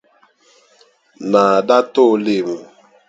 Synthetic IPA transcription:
na˨a˨da˦to˦le˦˨mu˨

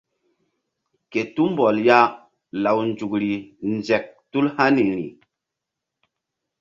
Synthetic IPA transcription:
ke˨tu˦mbɔ˨lja˦ | la˨wnd͡ʒu˨kɾi˨nd͡ʒɛ˨k̚tu˦lha˦ni˨ɾḭ˨

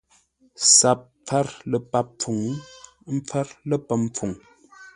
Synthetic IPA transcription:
sa˨p̚ | p͡fɛ˦ɾlə˨pa˦p̚p͡fu˨ŋ˦ | m̩˦p͡fa˦ɾlə˦pə˦mp͡fu˨ŋ

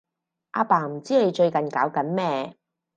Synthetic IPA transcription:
ʔa̰ː˧paː˨˩m̩˨˩t͡siː˥ne˨˧jt͡ʃɵ˧ɥkɐ˨nkaː˨˥wkɐ˨˥nmɛː˥˧

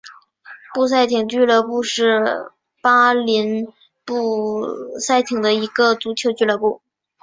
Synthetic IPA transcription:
pu˥˧s̬a˥˩ɪt̪ʰi˨˧˩ŋt͡ɕy˥˧lɤ˥˧pu˥˧ʂɻ̩˥˩˧ | pa˥li˧˥n | pu˥˩sa˥˩ɪt̪ʰi˨˩ŋd̪ə˦i˧˥ɡə˧t͡su˧˥t͡ɕʰjo˧˥ʊt͡ɕy˥˩lɤ˥˧pu˥˩

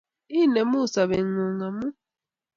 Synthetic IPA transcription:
i˦˨nɛ˨mu˦˨sa˨βɛ˨ŋu˨ŋa˨mu˦

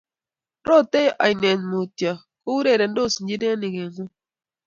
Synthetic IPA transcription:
ɾo˦˨te˦jʔa̰˨ɪ˨nɛ˨nmo˨tja˨ | ko˦wu˦ɾe˦˨ɾɛ˨n˦do˦˨si˨ɲd͡ʒi˦de˦nɪ˨ɡe˨no˦

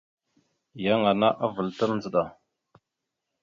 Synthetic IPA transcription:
ja˦ŋa˨na˦ʔa˦və˨lta˦lnd͡zə˨ɗa˨

